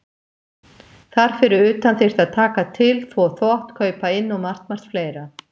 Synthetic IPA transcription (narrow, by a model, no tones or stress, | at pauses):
θaɾ̥fɪɾʏɾʏːt̪anθer̥t̪aðt̪ʰaːkat̪ʰɪlθvɔθvɔht̪kʰœːɥpaɪnːɔmar̥t̪mar̥t̪fleːjɾa